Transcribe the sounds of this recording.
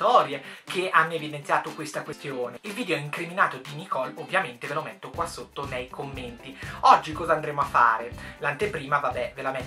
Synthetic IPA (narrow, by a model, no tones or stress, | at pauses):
t̪ɔːɾjekʰeʔanːoevid̪ent̪sjaːt̪okwest̪akwest̪joːneilviːd̪eoiŋkɾiminaːt̪od̪inikɔlovːjament̪evelomet̪ːokwasːot̪ːonejkʰomːent̪iɔd͡ʒːikɔːzand̪ɾeːmoafːa̰ːɾelant̪epɾiːmavabːɛvelame